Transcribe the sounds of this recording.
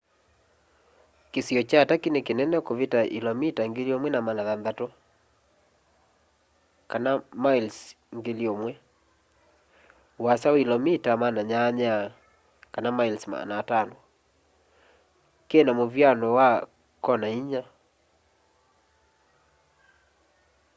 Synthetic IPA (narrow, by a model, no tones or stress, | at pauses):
kesiɔt͡ʃatakinekenɛnɛkoβetaʔḭlɔmitaŋɡeliomwɛnamanaðanðato | kanamails | ŋɡeliomwɛ | wasaoilɔmitamanaɲaɲa | kanamailsma̰naːtano | kenamovjanɔwa | kɔnaiɲa